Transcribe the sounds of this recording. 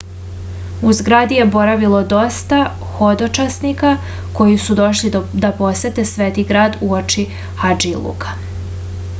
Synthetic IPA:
uzɡɾaːd̪ije̞bo̞ɾaʋilo̞d̪o̞st̪a | xo̞d̪ot͡ʃasnika | ko̞jisud̪o̞ʃlid̪apo̞set̪esʋeːt̪iɡɾaːd̪uot͡ʃi | xad͡ʒilˠṵkḁ

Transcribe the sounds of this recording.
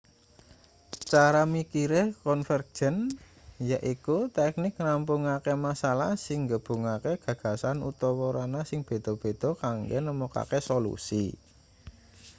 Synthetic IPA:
t͡ʃaɾamikiɾekɔnfər̥ʒ̥ən | jaʔikut̪ɛk̚nɪkrampuŋakemasalahsɪŋɡəb̥ṳŋakeɡ̥ä̤ɡ̥a̤sanṵt̪ɔwɔɾanasɪŋb̥e̤d̪̥ɔ̤b̥e̤d̪̥ɔ̤kaŋɡɛnəmoka̰kesolṵsḭ

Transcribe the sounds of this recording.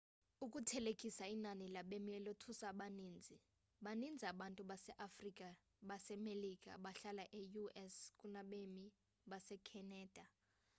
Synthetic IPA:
ukʼutʰɛlekʼisainanilaɓemilotʰusaɓaniːnd͡zʱi | ɓanind͡zʱiaɓantʼuɓasɛʔafrikʼa | ɓasɛmelik̬ʼa̰ɓaɬalaʔejuɛskʼunaɓemi | ɓasɛkʰɛnɛːd̥ʱa

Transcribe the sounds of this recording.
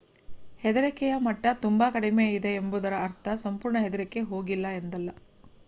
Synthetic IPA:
hed̪ɐɾɛkɛjɐmɐʈːɐt̪umbɐkɐɽimeːid̪e̞ːmbud̪ɐɾɐːɾt̪ʰɐsɐmpuːɾɳɐɦed̪ɐɾɛkːeɦo̞ːɡilːɐend̪ɐlːɐ

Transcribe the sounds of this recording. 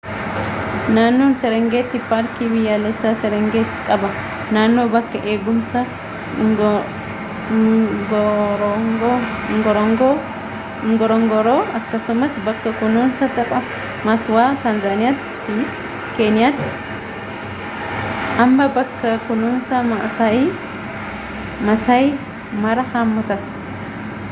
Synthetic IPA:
naːnːonsɛɾɛŋɡeːt̪ːɪpaːɾkibɪjaːlɛsːasɛɾɛŋɡeːt̪ːɪ̥kʼɐbɐ | naːnːoːbɐkːɐʔe̞ːɡʊmsɐ | ɡɔɾɡ | ŋɡɔɾɔŋɡo | ŋɡɔɾɔŋɡɔɾoːɐkːɐsʊmɐsbɐkːɐkʊnunsɐt̪ɐpʼɐ | mɐswaːt̪ɐnzaːnɪjat̪ːɪ̥fɪ | ke̞ːnɪjat̪ːɪ̥ | ʔɐmbɐbɐkːɐkʊnuːnsɐmɐʔsaːʔiː | mɐsɐj | mɐɾɐhaːmːɐt̪ɐ

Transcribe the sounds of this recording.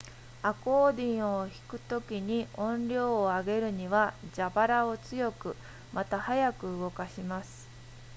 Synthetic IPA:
ako̞ːd̪ʲĩɰ̃o̞çi̥kɯ̟̥t̪o̞kʲiɲ̟iʔõ̞nɾʲo̞ːaɡe̞ɾɯ̟ɲ̟iβad͡ʑabaɾao̞t͡sɨjo̞kɯ̟ | mat̪ahajakɯ̟ɯɡo̞kaɕimasɨ̥

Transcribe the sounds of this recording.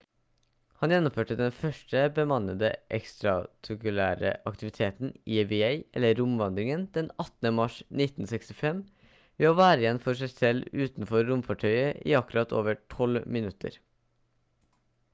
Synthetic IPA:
hɑnjɛnːʊmføːʈəd̪ɛnfœʂʈəbəmɑnəd̪əʔɛkst̪ɾɑt̪ʰʊkʉlæːɾə̰ʔɑkt̪ɪʋɪt̪ʰeːt̪n̩iːbɪeɪɛlːəɾʊmʋɑnd̪ɾɪŋənd̪̥ɛnɑt̪n̩əmɑʂnɪt̪n̩sɛkst̪ɪfɛm | ʋeːoːʋæːɾəjɛnfɔʂæɪsɛlʉːt̪n̩fɔɾːʊmfɑʈʰœʏəʔḭːɑkʉɾɑt̪ʰo̰ːʋəʈʰɔlmɪnʉt̪ʰə̰ɾ

